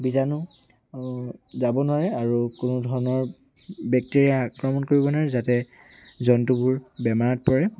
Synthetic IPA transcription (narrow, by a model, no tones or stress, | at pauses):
bizanʊ | zabɔnʊwaɹɛaɹukʊnɔdʱɔɹɔnɔɹ | bɛk̚teɹiaakɹɔmɔnkoɹibɔnaɹɛzatɛ | zɔntubʊɹbɛmaɹat̚pɔɹɛ